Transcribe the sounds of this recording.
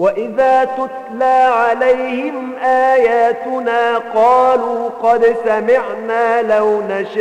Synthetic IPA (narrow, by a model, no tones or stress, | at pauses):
waʔɪðaːt̪ʊt̪laːʕalajhɪm | ʔaːjaːt̪ʊnaːqɑːluːqɑd̪samɪʕnaːlawnaʃa